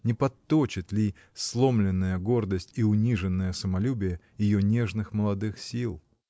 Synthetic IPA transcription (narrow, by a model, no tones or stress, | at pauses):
nʲɪpɐt̪ːot͡ɕɪt̪lʲi | slˠo̞mlʲɪnːəjəɡo̞rd̪əsʲtʲiʊnʲiʐɨnːəjəsəmɐlʲubʲɪjə | jɪjonʲeʐnɨxməlˠɐd̪ɨxsʲilˠ